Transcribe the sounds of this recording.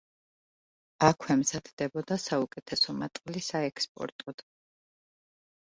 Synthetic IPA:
akʰwɛmzad̪ʰd̪̥ɛbɔd̪asaukʼɛt̪ʰɛsɔmat̪ʼqʼlisaɛkʰspʼɔ̰ɾt̪ʼɔd̪̥

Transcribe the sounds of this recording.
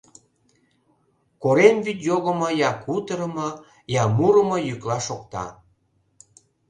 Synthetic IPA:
koɾemβyt̪joɣəməjɑkut̪əɾəmə | jɑmuɾəməjyklɑʃokt̪ɑ̰

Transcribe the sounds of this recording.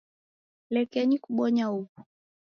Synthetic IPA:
lɛkɛɲikuɓɔɲauku̥

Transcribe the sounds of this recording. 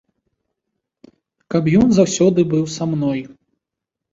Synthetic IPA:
kapjɔnzawsʲɔd̪ɨbɨwsamnɔj

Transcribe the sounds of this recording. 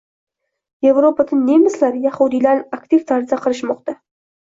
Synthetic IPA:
jevɾopad̪ənemɪslaɾjɑχud̪ijlaɾakt̪ift̪ʰaɾzaqʰəɾɨʃmoqt̪ɑ

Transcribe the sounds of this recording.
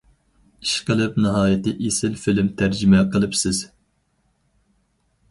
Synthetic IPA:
iʃqəlˠɨp̚nɨɦɑːjɪt̪ɨʔesɪlfɪlɪmt̪ʰæɾd͡ʒɪmɛqəlˠɨpsɪz̥

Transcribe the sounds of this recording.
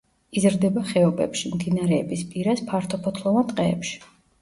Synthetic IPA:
izɾd̪ɛbaχɛɔbɛ̰pʃimd̪inaɾɛːbispʼiɾaspʰaɾt̪ʰɔpʰɔt̪ʰlˠɔvant̪ʼqʼɛ̰ːpʃi̥

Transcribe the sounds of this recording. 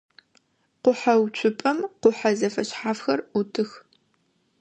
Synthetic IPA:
qʷʊħawt͡ʃʷʰʊpʼɐmqʷʊħazɐfɐɕħaːfxɐrutʰɨx

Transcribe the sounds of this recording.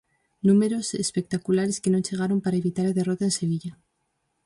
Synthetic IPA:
nũmeɾosespek̚t̪akulaɾeskenõŋt͡ʃeɣ̞aɾompaɾaeβit̪aɾaðerot̪aenseβ̞iʎa

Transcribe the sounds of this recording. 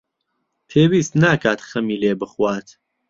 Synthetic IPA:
pʰeːwiːst̪naːkʰaːt̪xɐmiːleːbɨχwaːt̪

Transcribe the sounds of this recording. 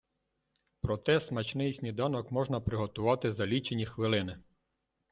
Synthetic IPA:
pɾɔt̪ɛsmɐt͡ʃnɪjsʲnʲid̪ɑnɔkmɔʒnɐpɾɪɦɔt̪ʊʋɑt̪ɪzɐlʲit͡ʃenʲixʋɪlˠɪnɪ

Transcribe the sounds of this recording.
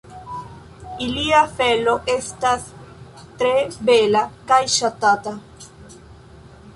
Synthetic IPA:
iliafelo̞ʔest̪as | t̪ɾebelakajʃat̪at̪a

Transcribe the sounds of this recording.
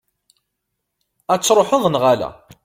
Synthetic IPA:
æt͡sːɾˤoħoðˤnʁalæ̰

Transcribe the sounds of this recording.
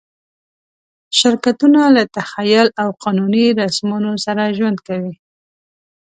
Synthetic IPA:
ʃɪɾkat̪unalat̪axajʊlawqɑnuniɾasmɑnosaɾaʒwand̪̚kawi

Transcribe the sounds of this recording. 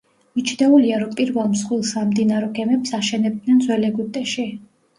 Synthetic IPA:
mit͡ʃʰd̪ɛuliaɾɔmpʼiɾvɛlˠmsχwilˠsamd̪inaɾɔɡɛmɛpsaʃɛnɛb̚d̪nɛnd̪zwɛlɛɡut̪ʼɛʃi

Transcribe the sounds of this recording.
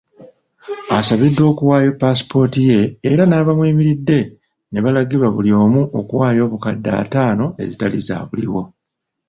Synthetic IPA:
asaβidːo̞ːkuwaːjo̞pːasi̥po̞ːtije̞ːɾanaːβamwiːmiɾidːe̞ | ne̞βalaɡiβwaβulio̞ːmuʔokuwaːjo̞ːβukadːa̰ːtaːno̞ʔe̞̰zitaliza̰ːβuliwo̞

